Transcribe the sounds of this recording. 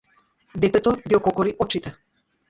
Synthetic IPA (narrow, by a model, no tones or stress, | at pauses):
d̪ɛt̪ɛt̪ɔd̪iɔkɔkɔɾiʔɔt͡ʃit̪ɛ